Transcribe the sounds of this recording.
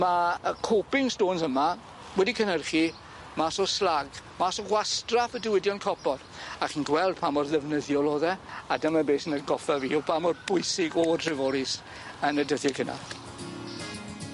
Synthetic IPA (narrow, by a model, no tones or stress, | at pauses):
maəkʰopɪŋstoːnsəma | wɛdikʰənərχi | masɔslaɡmasɔɡwastrafədɪwɪdjɔnkʰɔpʰɔd̥ | aχiːnɡwɛlˠd̥pʰamɔrðɛvnəðjɔlˠoːðɛadəmabeːsənəɡɔfɛvḭːɔpʰamɔrbʊjsɪɡɔdʰrɪvɔɾɪs | ənədəθjɛkʰəna̰